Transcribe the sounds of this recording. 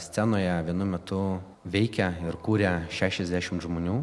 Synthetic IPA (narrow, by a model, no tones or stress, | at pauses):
sʲt̪sʲænoːjɛʋʲiɛnʊmʲɛt̪ʊ | ʋʲɛɪkʲɛɪɾkuːɾʲɛʃʲæːʃʲɛzʲd̪ʲæːʃʲɪmtʒmoːnʲuː